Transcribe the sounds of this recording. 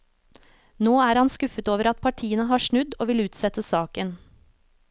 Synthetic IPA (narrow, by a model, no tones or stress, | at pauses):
noːæːɾhɑnskʉfət̪oːʋəɾɑt̪̚pʰɑʈʰiːənəɦɑːʂɳʉd̪oːʋɪlʉːt̪sɛt̪əsɑːkən